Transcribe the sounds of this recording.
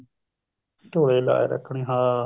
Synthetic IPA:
t̪oːɽeːla̰ːḛɾə̰kʰːɳeːɦãː

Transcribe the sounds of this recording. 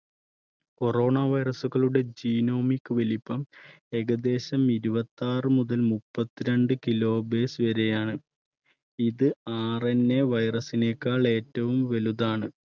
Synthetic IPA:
ko̞ro̞ːɳaʋɐjrɐsuɣɐɭuɽe̞d͡ʑiːno̞ːmikːɨʋelipːɐm | e̞ɣɐd̪e̞ːɕɐmiɾubɐt̪ːaːrɨmuðɐlmupːɐt̪ːiɾeɳɖɨkilo̞ːbe̞ːsɨʋɐɾejaːɳɨ | iðɨaːrenːe̞ʋɐjrɐsine̞ːkːaːɭe̞ːtːɐʋumʋeluðaːɳɨ

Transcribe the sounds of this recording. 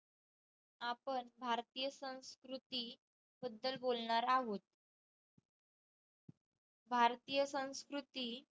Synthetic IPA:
apəɳbʱaɾt̪ijəsə̃w̃skɾut̪iː | bəd̪ːəlbolɳaɾaɦot̪̚ | bʱaɾt̪ijəsə̃w̃skɾut̪iː

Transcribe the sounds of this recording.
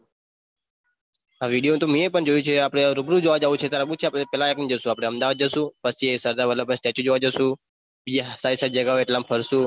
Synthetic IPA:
aʋiɖijot̪omĩepəɳd͡ʒojũt͡ʃʰeapɽ̃eɾubɾud͡ʒoʋad͡ʒaũt͡ʃʰet̪aɾabũt͡ʃʰeapɽepɛlaeknid͡ʒəʃũapɽ̃eəmd̪aʋad̪̚d͡ʒəʃũpəst͡ʃʰiesəɾd̪aɾʋələbənsʈɛt͡ʃũd͡ʒoʋad͡ʒaʃũ | bid͡ʒɦəsaisad͡ʒəɡaoeʈlampʰəɾsũ

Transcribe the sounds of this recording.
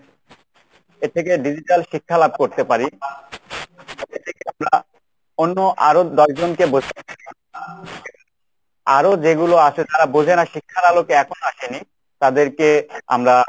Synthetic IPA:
et̪ʰek̬eɖid͡ʑiʈalʃikʰːalab̚koɾt̪epaɾi | et̪ʰekeamɾa | onːoʔaɾod̪ɔʃd͡ʑonkebod͡ʑ̪ʱea | aɾod͡ʑeɡuloaʃet̪aɾabod͡ʑʱenaʃikʰːaɾalokeɛkʰonoaʃeni | t̪ad̪eɾkea̰mɾa

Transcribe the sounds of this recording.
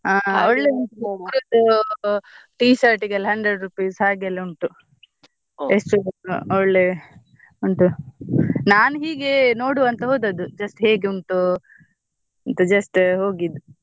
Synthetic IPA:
aːɔɭːeuɳʈukɾud̪u | ʈiːsaɾʈiɡɐlɦɐɳd̪ɾeɖɾupiːshaːɡɐlːuɳʈu | esʈuɔɭːe | uɳʈu | naːnɦiːɡeno̞ːɽuɐnt̪ɐɦoːd̪ɐd̪ud͡ʒɐsʈɦeːɡeuɳʈu | ɐnt̪ɐd͡ʒɐsʈɦo̞ːɡid̪u

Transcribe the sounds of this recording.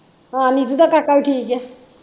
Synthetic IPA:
ãnitutakakaɹʈʰikɛ

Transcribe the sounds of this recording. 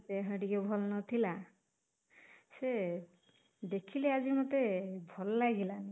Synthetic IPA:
t̪eɦəɖikebʱɔlnɔt̪ʰila | se | d̪ekʰileaziɹmɔt̪ebʱɔlːaɡilani

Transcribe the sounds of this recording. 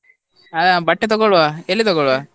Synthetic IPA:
ɐd̪abɐʈːet̪ɔɡɔɭʋaːelːit̪ɔɡɔɭʋaː

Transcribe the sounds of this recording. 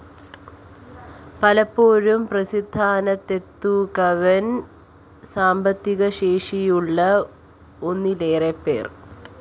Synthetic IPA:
pɐlɐpːoːɻumprɐsid̪ʱːaːnɐt̪ːe̞t̪ːukɐʋɐn | saːmbɐt̪ːiɣɐɕe̞ːʂijuɭːɐ | o̞nːile̞ːrepːḛːr

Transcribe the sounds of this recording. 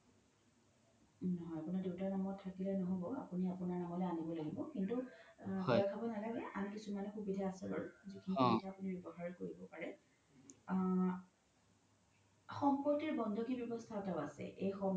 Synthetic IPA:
nɔɦɔjapunaɹdewtaɹnamɔtʰːakilɛnɔɦobɔapuniapunaɹnamɔlɛanibɔlaɡibɔkintupɔakʰabɔnalaɡɛʔa̰mkisumanɛxubidʱaːsɛba̰ɹzikʰinixbitaːpunibjɔbɔɦaɹɛkoɹibɔpaɹɛ | xɔmpɔtiɹbɔndʱɔkibjɔbɔstʰaɔtaʊa̰sɛ̰ʔejxɔm

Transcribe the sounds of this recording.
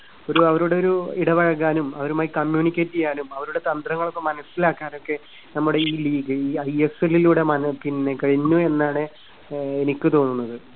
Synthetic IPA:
o̞ɾuɐʋɐɾuɽeo̞ɾuiɽɐʋɐɻɐkːaːnumɐʋɐɾumaːjikɐmjuːnikʲːeːtːijaːnumɐʋɐɾuɽe̞t̪ɐnd̪rɐŋːɐɭokːemɐnɐsːilaːkːaːno̞kːe̞ | nɐmːuɽe̞iːliːɡɨiːɐjeseliluːɽe̞mɐnɐpinːe̞kɐɻiɲːue̞nːaːɳɨ | enikʲːɨt̪oːnːunːɐðɨ

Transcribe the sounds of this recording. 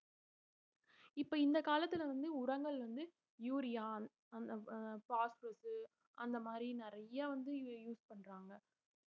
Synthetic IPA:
ɪpːoːɪnd̪ɐkaːlɐt̪ːɪlɐʋɐnd̪ɯʊɾɐŋɡɐɭʋɐnd̪ɯ | juːɾɪjaːn | ɐnpaːsɾɐsɯ | ɐnd̪ɐmaːd̪ɾinɪɾɐjːɐʋɐnd̪ɯjuːspɐɳːɾaːŋɡɐ

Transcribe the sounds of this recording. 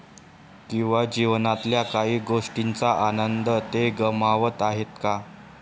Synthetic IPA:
kĩw̃ʋad͡ʑiʋnat̪ljakaɦiːɡoʂʈint͡saʔanənd̪ət̪eɡəmaʋət̪aɦet̪ka

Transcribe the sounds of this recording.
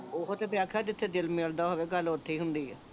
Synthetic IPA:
oɦot̪eːpɪjaːkʰaːd̪ɪt̪ʰːeːd̪ɪlmeːld̪aːɦoʋeːɡəlot̪ʰːeiːɦʊnd̪iːɛː

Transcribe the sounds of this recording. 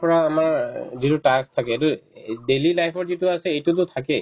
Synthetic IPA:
pɔɹaːmaɹzitʊtakstʰakɛtʊdelilajpʰɔɹzitʊasɛejtʊt̬ʊtʰakɛ

